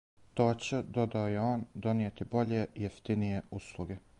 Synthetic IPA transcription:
t̪oːt͡ɕed̪o̞d̪aojeo̞ːnd̪o̞nijet̪ibo̞ʎejeft̪inijeuslˠuɡe

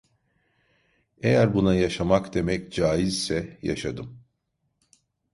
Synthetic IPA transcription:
e̞jæɾbunajaʃamakd̪e̞mɛcd͡ʒaːjizsɛja̰ʃad̪ɯm

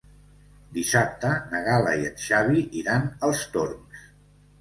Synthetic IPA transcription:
d̪isap̚t̪ənəɣaləiət̪ʃaβiʔiɾanəlˠst̪orms

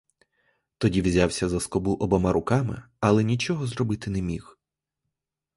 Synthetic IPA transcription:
t̪ɔdʲiwzʲɑwsʲɐzɐskɔbuʔɔbɔmɑɾʊkɑmɪ̰ | ɐlˠɛnʲit͡ʃɔɦɔzɾrɔbɪt̪ɪnɛmʲix

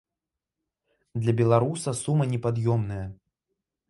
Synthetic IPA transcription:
d̪lʲɐbʲɛlˠaɾusɐsumɐnʲɛpad̪jɔmnɐjɐ

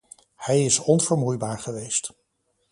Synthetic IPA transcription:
hɛjɪsɔnvəɹmujbaːɹχəʋejst

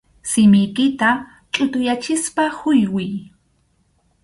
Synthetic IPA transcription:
sɪmɪjkɪt̪a | t͡ʃʼʊt̪ʊjat͡ʃɪspahʊjwɪj

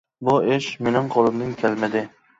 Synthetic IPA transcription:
bʊeʃmenɪŋqʰolˠɪmd̪ɪŋkʲʰælmɪd̪ɪ

